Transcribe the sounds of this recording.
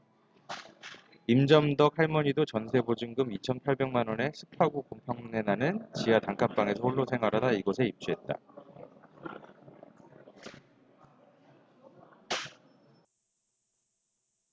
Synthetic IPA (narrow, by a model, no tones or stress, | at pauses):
imd͡ʑʌmdʌk̚haɭmʌɲidot͡ɕʌnsʰe̞bod͡ʑuŋɡɯmit͡ɕʰʌnpʰaɭbe̞ŋmanwʌne̞sʰɯ̥pʰaɡukompʰaŋmune̞nanɯnt͡ɕijataŋkʰap͈aŋe̞sʰʌhoɭːosʰe̞ŋɦaɾadaiɡʌsʰe̞ip̚t͡ɕ͈uɦe̞t̚t͈a̰